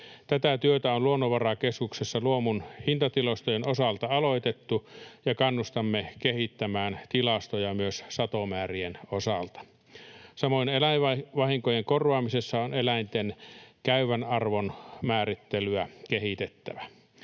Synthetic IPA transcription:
t̪æt̪æt̪yøt̪æonluonːoʋɑrɑkeskuksesːɑluomunhint̪ɑt̪ilost̪ojenosɑlt̪ɑɑloit̪et̪ːujɑkɑnːust̪ɑmːekehit̪ːæmæːnt̪ilɑst̪ojɑmyøssɑt̪omæːrienosɑlt̪ɑ̥ | sɑmoinelæɑʋɑhiŋkojeŋkorʋɑːmisesːɑonelæint̪enkæyʋænɑrʋonmæːrit̪ːelyækehit̪et̪ːæ̰ʋæ

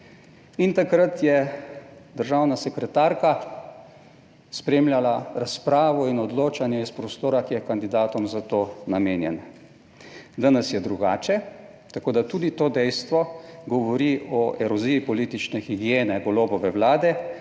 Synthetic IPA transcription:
int̪akɾat̪jɛ | d̪əɾʒawnasɛkɾɛt̪aːɾka | spɾeːmljalaɾaspɾaːʋɔinɔd̪loːt͡ʃanjɛispɾɔst̪oːɾakijɛkand̪id̪aːt̪ɔmzat̪oːnameːnjɛna | d̪anɛsjɛd̪ɾuɡaːt͡ʃɛ | t̪akoːd̪at̪uːd̪it̪oːd̪ɛjst̪ʋɔɡɔʋɔɾiʔɔʔɛɾɔziːipɔliːt̪it͡ʃnɛxiɡjeːnɛɡɔloːbɔʋɛʋlaːd̪ɛ

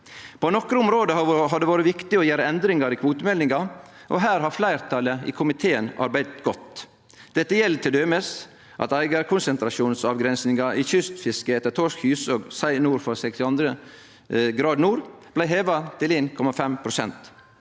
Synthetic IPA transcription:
pʰɔnɔkɾəʊmɾoːd̪əhɦɑɖ̪ɛʋoːɾəʋɪkt̪ɪɔjæːɾəɛnd̪ɾɪŋɑɾikʰʋuːt̪əmɛlnɪŋɑ | ʔo̰ɦæːɾhɑflæɪɾt̪ʰɑːləḭːkʰʊmɪt̪ʰeːənɑ̰ɾbæɪd̪t̪ɡɔt̪ | d̪̥ɛt̪ːəjɛlːt̪ʰɪld̪øːməs | ʔɑ̰t̪æɪɡɑɾkʰʊnsənt̪ɾɑʃuːnsɑːʋɡɾɛnsnɪŋɑʔiːçʏst̪fɪskəɛt̪ːət̪ʰɔʂkhʉːsoːɡsæɪnuːɾfɔɾsɛkst̪ɪɑnd̪ɾə | ɡɾɑːd̪nuːɾblæɪɦeːʋɑt̪ʰɪleːnkʰɔmɑfɛmpʰɾʊsɛnt̪

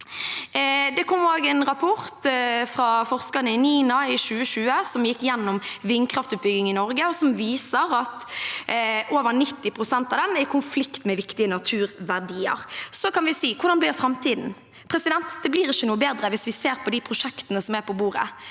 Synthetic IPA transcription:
d̪ɛkʰɔmːoːɡɛnɾɑpʰɔɾt̪fɾɑfɔʁskɑʁnəɪniːnɑɪʃʉːəʃʉːəsɔmjɪkːjɛnːɔmʋɪnːkʰɾɑft̪ʉːt̪̚bʏɡɪŋɪnɔɾɡəɔsɔmʋiːsəɾɑt̪ | ʔoːʋəɾnɪt̪ːɪpʰʁʊsɛnt̪ɑʋd̪ɛnækʰʊnflɪkt̪mɛʋɪkt̪ɪənɑt̪ʰʉːɾʋæʁɖiːə̰ɾsɔkɑnʋɪsiːkʰʊʁɾdɑnblɪːɾfɾɑmt̪ʰiːd̪n̩ | pʰɾɛsɪd̪ɛnt̪d̪ɛbliːɾɪçənuːəbeːd̪ɾəʋɪsʋɪseːɾpʰɔd̪ɪpʰʁʊʃɛkt̪ənəsɔmæpʰɔbuːɾə̰

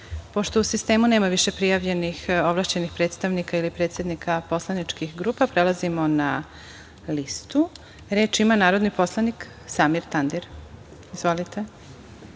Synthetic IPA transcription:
po̞ʃt̪ousist̪e̞ːmuneːmaʋiʃepɾijaʋʎe̞nixoʋlˠaːʃt͡ɕenixpɾeːt̪st̪aʋnikailipɾet̪sjed̪nikʰapo̞slˠanit͡ʃkixɡɾuːpapɾelˠazimo̞na | list̪u | ɾe̞ːt͡ʃimanaːɾo̞d̪nipo̞slˠanik | samiɾt̪and̪iɾ | izvʋo̞lit̪e

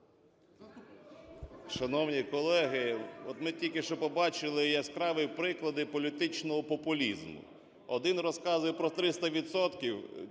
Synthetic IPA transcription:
ʃɐnɔwnʲikɔlˠɛɦɪɔt̪mɪtʲilʲkɪʃt͡ʃɔpɔbɑt͡ʃɪlˠɪjaskɾɑʋɪjpɾɪklˠɐd̪ɪpɔlʲit̪ɪt͡ʃnɔɦɔpɔpʊlʲizmʊ̰ | ɔd̪ɪnrɔskɑzʊjɛpɾɔt̪ɾɪst̪ɐʋʲit̪sɔt̪kʲiw

